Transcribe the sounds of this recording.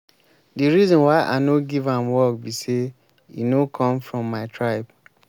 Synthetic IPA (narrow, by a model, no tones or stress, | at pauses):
diɹizɔ̃nwaɪʔa̰noɡivãmwɔk̚bise | inokʰɔ̃mfɹɔ̃mːaɪtʰɹaɪb